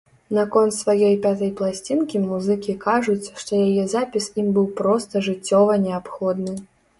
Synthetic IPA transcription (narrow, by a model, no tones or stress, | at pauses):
nakɔnt̪svajɔjpʲat̪ɐjplˠasʲt͡sʲinkʲimuzɨkʲikaʐut͡sʲʂt̪ɔjajɛzapʲisimbɨwpɾɔst̪ɐʐɨt͡sʲːɔvɐnʲɛapxɔd̪nɨ